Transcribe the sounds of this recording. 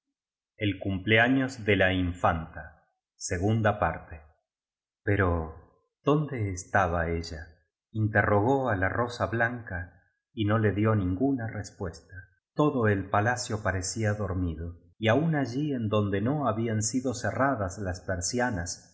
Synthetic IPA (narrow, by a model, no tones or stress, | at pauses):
elkumpleaɲo̞zðelaiɱfant̪a | seɣund̪apaɾt̪e | peɾo | ð̥o̞nd̪e̞ːst̪aβaeʒa | int̪ero̞ɣ̞o̞alaro̞saβlaŋka | ino̞le̞ðjo̞nĩŋɡunarespwe̞st̪a | t̪o̞ðoe̞lpalasjo̞paɾesiaðo̞ɾmiðo̞ | iaunaʒiend̪o̞nd̪e̞no̞aβiansiðo̞seraðaslaspeɾsjanas